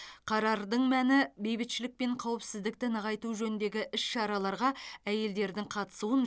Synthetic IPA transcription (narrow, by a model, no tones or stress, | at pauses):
qʰɑɾɑɾd̪əɴmænɪbe̞jbɪt̪ʃɪlɪk̚peɴqʰɑwɪpsɪzd̪ɪk̚t̪ɪnəʁɑjt̪uʒɵnɪnd̪e̞ɡʲɪʔɪsʃɑɾɑlˠɑɾʁɑæje̞ld̪e̞ɾd̪ɪŋqʰɑt̪ə̥suən